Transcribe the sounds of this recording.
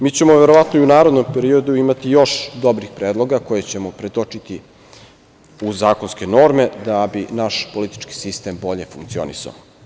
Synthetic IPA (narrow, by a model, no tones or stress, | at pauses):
miːt͡ɕe̞mo̞ʋe̞ɾo̞ʋat̪noiunaːɾod̪nompe̞ɾio̞d̪uimat̪ijo̞ʃd̪o̞bɾixpɾeːd̪lˠo̞ɡako̞je̞t͡ɕe̞mo̞pɾet̪o̞t͡ʂit̪i | uzaːko̞nske̞no̞ɾme̞d̪abinaʃpo̞lit̪i̥t͡ʃki̥sist̪e̞mbo̞ʎe̞fuŋkt̪sio̞̰nḭsa̰o